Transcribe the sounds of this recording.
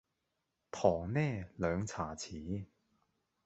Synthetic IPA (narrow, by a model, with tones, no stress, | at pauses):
t̪ʰɔː˨˩ŋnɛː˥˨lœː˨˧ŋt͡sʰaː˨˩t͡sʰiː˨˥